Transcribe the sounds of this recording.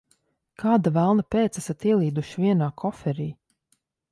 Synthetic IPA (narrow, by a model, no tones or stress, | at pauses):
kʰaːd̪avælˠnapeːt̪sæsat̪iɛlˠiːd̪uʃiviɛnaːkʰɔfɛɾiː